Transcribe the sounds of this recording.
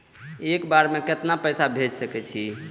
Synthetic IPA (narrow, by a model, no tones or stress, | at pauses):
ekbaɾmeket̪napəjsabʱed͡ʒsəkɛt͡ʃʰi